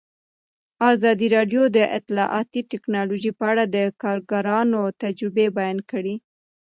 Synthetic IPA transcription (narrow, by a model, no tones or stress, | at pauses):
ɑzɑd̪iɾɑɖjod̪əʔɪt̪lɑʔɑt̪iʈ̪ɪknɑloʒipəaɽad̪əkɑɾɡaɾɑnot̪ad͡ʒɾɪbebajɑnkəɽi